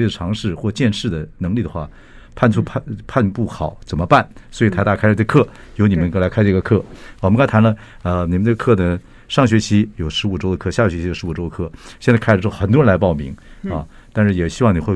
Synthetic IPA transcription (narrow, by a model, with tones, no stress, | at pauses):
we˥˩d̪ə˩ʈ͡ʂʰɑ˧˥ŋʂɻ̩˥˩xwɔ˥˧t͡ɕjɛ˥˧nʂɻ̩˥˩d̪ə˩nɤ˧˥ŋli˥˩d̪ə˩xwa̰˥˩ | pʰa˥˧nʈ͡ʂʰu˥a˥˧pʰa˥˧npu˥˩xɑ˨˩˦ʊt͡sə˨˩nmə˦pa˥˩nswɔ˧˥i˨˩t̪ʰa˥˧ɪt̪a˥˩kʰa˥˧ʈ͡ʂɤ˥˩əkʰɤ˥˩ | jo˧˥ʊni˨˩mə˦n˥˩la˧˥ɪkʰa˥˧ɪʈ͡ʂɤ˥˩ɡə˩kʰɤ˥˩wə˦kɑ˥t̪ʰa˧˥nlə˧ | ə˧ni˨˩ə˦nʈ͡ʂɤ˥˩ɡə˧kʰɤ˥˩nə˩ | ʂɑ˥˩ŋɕ̬ɥɛ˧˥t͡ɕʰi˧˥jo˨˩ʊʂɻ̩˧˥u˨˩ʈ͡ʂo˥ʊd̪ə˧kʰɤ˥˧ɕja˥˩ɕɥɛ˧˥t͡ɕʰi˧˥jʂɻ̩˧˥u˨˩ʈ͡ʂo˥ʊd̪ə˩kʰɤ˥˩ɕɛ˥˧nt͡sa˥˧a˥˩ɻxə˨˩nt̪wɻə˧˥nla˧˥ɪpɑ˥˩ʊmḭ˧˥ŋɐ˥˧ | t̪a˥˧nʂɻ̩˥˩jɛ˨˩ɕi˥wɑ˥˩ŋni˨˩xwe˥˧ɪ